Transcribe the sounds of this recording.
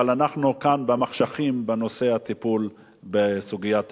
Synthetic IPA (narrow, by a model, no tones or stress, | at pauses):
alanaχnukanbemaχʃaχimbeno̞se̞at̪ipul | besuɡijat̪